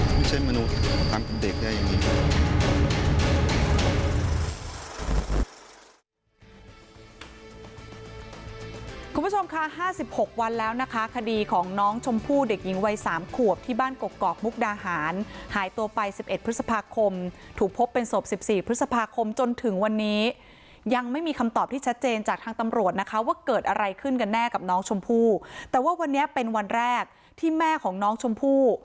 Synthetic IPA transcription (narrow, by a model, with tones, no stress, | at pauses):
tʰuː˥˩t͡ɕʰe˥˩nma˧nu˦˥t̪̚pʰaː˨˦npe˧nde˨˩k̚daː˥˩ja˨˩niː˦˥˦ | kʰu˧mpʰu˥t͡ɕʰo˧mkʰa˦˥haː˥˩si˨˩p̚ho˨˩k̚wa˧nlɛː˦˥wna˦˥kʰa˦˥kʰa˧diː˧kʰɔː˩˦ŋnɔː˦˥ŋt͡ɕʰo˧mpʰuː˥˩de˨˩k̚ji˩˦ŋwa˧jsaː˩˦mkʰu˨˩əp̚t̪ʰiː˥˩baː˥˩nko˨˩kːɔː˨˩k̚mu˦˥k̚daː˧haː˩˦nhaː˨˩˦jt̪u˧ɐpa˧jsi˨˩p̚ʔe˨t̪̚pʰɾɯ˦˥t̪̚sa˧pʰaː˧kʰo˧mt̪ʰuː˨˩k̚pʰo˦˥pːe˧nso˨˩p̚si˨˩p̚siː˨˩pʰɾɯ˦˥sa˧pʰaː˧kʰo˧mt͡ɕo˧nt̪ʰɯ˨˩˦ŋwa˧nːiː˦˥ | ja˧ŋma˥˩jmiː˧kʰa˧mt̪ɔː˨˩p̚t̪ʰiː˥˩t͡ɕʰa˦˥t̪̚t͡ɕeː˧nt͡ɕaː˨˩k̚t̪ʰaː˧ŋt̪a˧mɾu˨˩ət̪̚na˦˥kʰa˦˥waː˥˩kɤː˨˩t̪̚ʔa˧ɾa˧jkʰɯ˥˩nka˧nːɛː˥˩ka˨˩p̚nɔː˦˥ŋt͡ɕʰo˧mpʰuː˥˩t̪ɛː˨˩waː˥˩wa˧nːi˦˥ɐpe˧nwa˧nɾɛː˥˩k̚ | t̪ʰiː˥˩mɛː˥˩kʰɔː˩˦ŋnɔː˦˥ŋt͡ɕʰo˧mpʰuː˥˩